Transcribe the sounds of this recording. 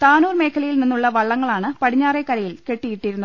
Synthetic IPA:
t̪aːnuːrme̞ːkʰɐlɐjilninːuɭːɐʋɐɭːɐŋːɐɭaːɳɨpɐɽiɲːaːrekːɐɾɐjilke̞ʈːijiʈːiɾunːu

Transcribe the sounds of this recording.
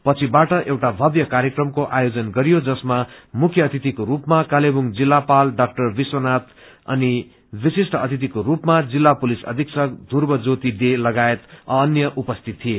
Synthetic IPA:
pʌt͡sʰibaʈʌʔewʈabʱʌbjʌkaɾjekrʌmkoʔajod͡zʌnɡʌɾijod͡zʌsmamukʰjʌːt̪it̪ikoɾupmakalebuŋd͡zilːapalɖak̚ʈʌrbiswʌnat̪ | ʌ̰ni | bisisʈʌʌt̪it̪̬ikoɾupmad͡zilːapulisʌ̰d̪ʱiksʌk̚d̪ʱurbʌd͡zot̪id̪elʌɡaet̪ʌːnjʌʔupʌst̪ʰit̪ʰːie

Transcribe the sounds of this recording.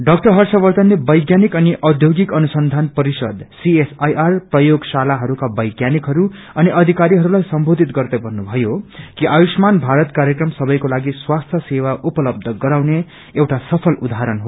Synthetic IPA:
ɖʌk̚ʈʌɦʌrsʌbʌrd̪ʌnlebʌjɡjanikʌniʔʔʌd̪ʱjoɡikʌnusʌnd̪ʱanpʌɾisʌ̰d̪siesajʔarprʌjoɡsalaɦʌɾukabʌjɡjanikɦʌɾu | ʌniʔʌd̪ʱikaɾiɦʌɾulajsʌmbʱod̪ʱit̪ɡʌrd̪ʌbʱʌnːubʱʌjokiʔawismanbʱaɾʌt̪kaɾjekrʌmsʌbʌjkolaɡiswast̪ʰjʌsewaʔupʌlʌb̚d̪ʱʌɡʌɾawne | ewʈasʌpʰʌlud̪ʱaɦɾʌnɦo

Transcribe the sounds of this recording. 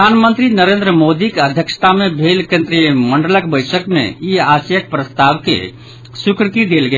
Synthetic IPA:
anmənt̪ɾinəɾend̪ɾəmod̪ikeəd̪ʱjəksə̥t̪amebʱelkẽnt̪ɾiməɳɖələkbəɪsəkmḛiasjək̚pɾəst̪aʋkḛ | sukɾəkid̪elɡe

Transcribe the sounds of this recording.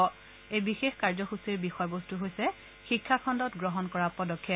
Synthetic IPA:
ɔ | ejbixexkaɹzɔxusiɹbixɔjbɔstuɦojsɛ | xikʰːakʰɔndɔtɡɹɔɦɔnkɔɹapɔdɔkʰːet

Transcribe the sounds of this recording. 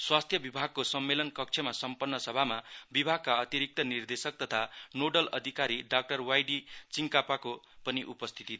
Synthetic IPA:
swast̪ʰjʌbibʱaɡ̚kosʌmːelʌnkʌk̚t͡sʰʌmasʌmpʌnːʌsʌbʱamabibʱaɡ̚kaʌt̪iɾik̚t̪ʌnird̪esʌk̚t̪ʌt̪ʰanoɖʌlʌd̪ʱikaɾiɖak̚ʈʌrwajɖit͡siŋkapako | pʌniʔupʌst̪ʰit̪i

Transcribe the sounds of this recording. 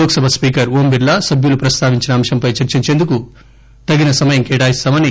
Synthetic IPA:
oːɡɐsɐbʱɐspiːkɐɾoːmbiɾlɐsɐbʱjulupɾɐst̪aːʋiɲt͡ʃinɐːmʃɐmpɐjt͡ʃɐɾt͡ʃiɾt͡ʃeːnd̪uku | t̪ɐɡinɐsɐmɐjɐmkɛːʈaːjist̪aːmɐni

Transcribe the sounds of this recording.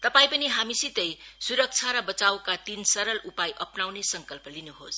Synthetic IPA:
t̪ʌpaĩpʌniɦamisit̪ʌjsuɾʌk̚t͡sʰaɾʌbʌt͡sawkat̪insʌɾʌlupajʔʌpnawnesʌŋkʌlpʌlinuɦos

